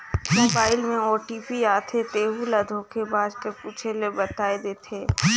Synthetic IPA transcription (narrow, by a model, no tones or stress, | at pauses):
moːbaːɪlmẽɔːʈipiaːt̪ʰet̪eːɦulɐd̪ʱoːkʰebaːd͡ʒkəɾpuːt͡ʃʰelebɐt̪aːed̪eːt̪ʰeː